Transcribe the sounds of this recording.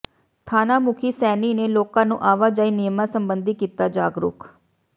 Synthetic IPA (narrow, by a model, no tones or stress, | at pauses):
t̪ʰaːnaːmʊkʰiːsɛːniːneːloːkãːnũːʔaːʋaːd͡ʒaːiːnɪjmãːsəmbənd̪iːkiːt̪aːd͡ʒaːɡɾʊ̰ːk